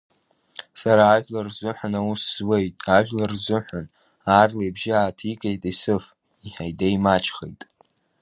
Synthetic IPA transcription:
saɾaːʒʷᶣlarzʊħʷanawusz̥we̞jtʼaʒᶣlarzʊħʷᶣan | aːrlejbʒɪaːtʰikʼejtʼisɨf | iħajdajmat͡ʃʰχḛjtʼ

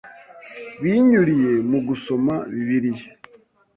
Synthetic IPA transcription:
βiːɲuɾije̞muɡuso̞maβiβiɾije̥

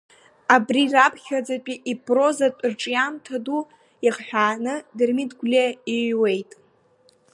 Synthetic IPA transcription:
abrirapʰχʲad͡zapʲʼiʔipʰʼro̞zatʷʼrʈ͡ʂʼjamtʰadu | iχħᶣaːnɨdɨrmidɡʷlʲeiɥwe̞jtʼ

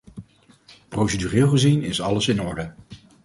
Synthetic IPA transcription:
prowsedyrɪːlˠχəzinɪsɑləsɪnɔɹdə

